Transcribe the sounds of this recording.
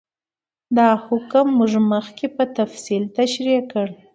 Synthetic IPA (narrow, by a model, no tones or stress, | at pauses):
d̪ɑhʊkəmːuʐməxkepət̪afsilt̪aʃɾikəɽ